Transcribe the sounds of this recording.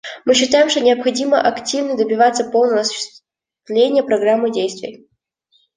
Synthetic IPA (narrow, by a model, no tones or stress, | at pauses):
mɨɕːɪt̪ajɪmʂt̪o̞nʲɪəpxɐdʲiməʔɐktʲivnəd̪əbʲɪvat̪sːəpo̞lˠnəvəɐsʊ̥ɕːɪ̥s | vlʲenʲɪjəpɾɐɡramːɨdʲejst̪vʲɪ̰j